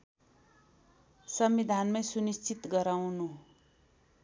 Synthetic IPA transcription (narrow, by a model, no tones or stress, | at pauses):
sʌmbid̪ʱanmajsunist͡sit̪ɡʌɾawnu